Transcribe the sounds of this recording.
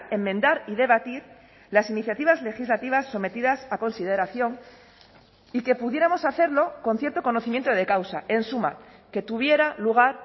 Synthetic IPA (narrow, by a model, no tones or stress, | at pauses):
emːẽ̞nd̪aɾiðe̞βat̪iɾ | lasiniθjat̪iβ̞azle̞xizlat̪iβ̞asːo̞me̞t̪iðasako̞nsiðe̞ɾaθjo̞ŋ | ike̞puðjeɾamo̞saθe̞ɾlo̞ko̞nθje̞ɾt̪o̞ko̞no̞θimje̞nt̪oðe̞kawsae̞nsuma̰ke̞t̪uβje̞ɾaluɣ̞aɾ